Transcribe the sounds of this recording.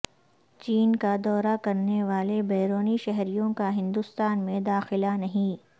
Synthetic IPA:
t͡ʃiːnkad̪ɔːɾakɐɾneʋaːlebeːɾoːniʃɛɦɾijõkaɦɪ̃nd̪ʊst̪aːnmẽd̪aːxɪlanɐɦĩː

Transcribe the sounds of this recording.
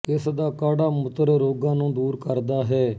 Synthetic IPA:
ɪsd̪aːkaːɽaːmʊt̪əɾɾoːɡãːnũːd̪uːɾkəɾd̪aːɦɛː

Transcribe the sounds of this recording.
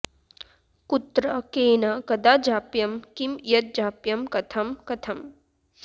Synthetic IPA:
kut̪ɾɐkeːnɐkɐd̪aːd͡ʒaːpjɐmkimjɐt̪̚d͡ʒaːpjɐmkɐt̪ʰɐmkɐt̪ʰɐm

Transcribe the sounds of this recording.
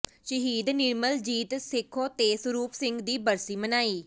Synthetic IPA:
ʃəɦiːd̪nɪɾməld͡ʒiːt̪sɪkʰːoːt̪eːsəɾuːpsɪ̃ŋɡd̪iːbəɾsiːmənaːiː

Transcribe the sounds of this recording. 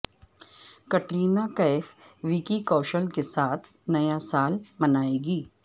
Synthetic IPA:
kɐʈɾiːnakɐɪfʋikikɐːʃəlkesaːt̪ʰ | nɐjasaːlmɐnaːeːɡiː

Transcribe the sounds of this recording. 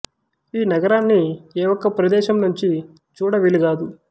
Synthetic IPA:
iːnɐɡɐɾaːnːieːʋɔkːɐpɾɐd̪ɛːʃɐmnuɲt͡ʃi | t͡ʃuːɽɐʋiliɡaːd̪u

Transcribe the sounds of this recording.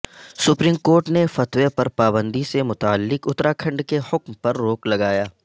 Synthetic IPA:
sʊpɾiːmkoːɾʈnefɐt̪wepɐɾpaːbə̃nd̪isemʊt̪aːəlːɪkʊt̪ɾakʰɐ̃ɳɖkehʊkmpɐɾːoːklɐɡaːjaː

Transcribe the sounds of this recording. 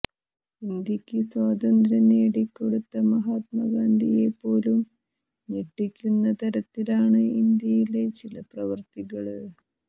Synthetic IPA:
ind̪jɐkʲːɨswaːd̪ɐnd̪ɾɐneːɽikːo̞ɽut̪ːɐmɐɦaːt̪̚mɐɡaːnd̪ije̞pːo̞ːlum | neʈːikʲːunːɐt̪ɐɾɐt̪ːilaːɳɨind̪jɐjile̞t͡ɕilɐprɐʋɐrt̪iɣɐɭɨ

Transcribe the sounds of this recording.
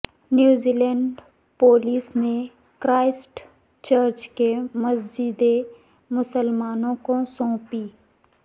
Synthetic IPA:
njuːziːlɛɳɖɖ | poːliːsmẽ | kɾaːɪsʈ | t͡ʃəɾt͡ʃkemɐs̬d͡ʒɪd̪e | mʊsəlmaːnõkosɔ̃ːpiː

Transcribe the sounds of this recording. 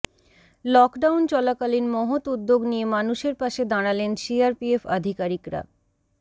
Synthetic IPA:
lɔkɖawnt͡ɕɔlakalinmɔɦot̪ud̪ːoɡnijemanuʃeɾpaʃed̪aɽ̃alenʃiaɾpiefa̰d̪ʱikaɾikɾa̰

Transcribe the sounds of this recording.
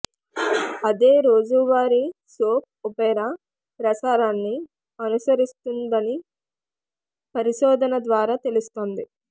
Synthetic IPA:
ɐd̪e̞ːɾo̞ːd͡ʒuʋaːɾisoːp̚upejnɐ | pɾɐt͡ʃaːɾaːnːi | ɐnusɐɾist̪und̪ɐni | pɐɾiʃɔːd̪ʱɐnɐd̪ʋaːɾaːt̪e̞lust̪oːnd̪i

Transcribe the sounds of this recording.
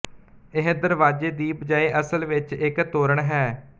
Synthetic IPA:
ɪɦd̪əɾʋaːd͡ʒeːd̪iːpd͡ʒaːeːʔəsəlʋɪt͡ʃɪkt̪oːɾəɳɦɛː

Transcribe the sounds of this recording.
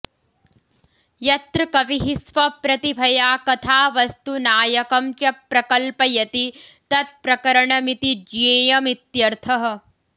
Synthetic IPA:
jɐt̪ɾɐkɐʋiɦisʋɐpɾɐt̪ibʱɐjaːkɐt̪ʰaːʋɐst̪unaːjɐkɐmt͡ʃɐpɾɐkɐlpɐjɐt̪it̪ɐt̪̚pɾɐkɐɾɐɳɐmit̪id͡ʒeːjɐmit̪jɐɾt̪ʰɐɦɐ̆

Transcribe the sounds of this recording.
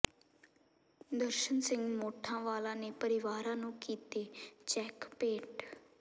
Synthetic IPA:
d̪əɾʃənsɪ̃ŋɡmoːʈʰːãːʋaːlãːneːpəɾɪʋaːɾãːnũːkiːt̪eːt͡ʃɛːkpeːʈ

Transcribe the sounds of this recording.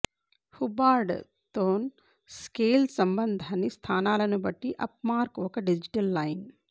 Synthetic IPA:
hubaːɾɖ | t̪oːn | skeːlsɐmbɐnd̪ʱanist̪ʰaːnaːlɐnubɐʈːiʔɐpmaːɾkɔkɐɖid͡ʒiʈɐlːɐjn

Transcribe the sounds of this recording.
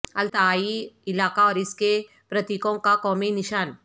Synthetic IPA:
ɐlt̪aaːiɪlaːkaɔːɾɪske | pɾɐt̪ikõkakɔːminɪʃaːn

